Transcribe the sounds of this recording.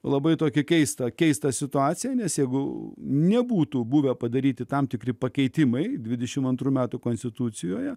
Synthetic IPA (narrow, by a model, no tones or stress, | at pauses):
lˠɐbɐɪt̪oːkʲɪkʲɛɪst̪ɐkʲɛɪst̪ɐsʲɪt̪ʊɑːt̪sʲɪjɛnʲɛsjɛɪɡʊnʲɛbuːt̪uːbuːʋʲɛpɐd̪ɐɾʲiːt̪ʲɪt̪ɐmt̪ʲɪkɾʲɪpɐkʲɛɪt̪ʲɪmɐɪd̪ʲʋʲɪd̪ʲɛʃʲɪmɐnt̪ɾuːmʲæːt̪ukoːnsʲt̪ʲɪt̪ut̪t͡s̪ʲɪjoːjɛ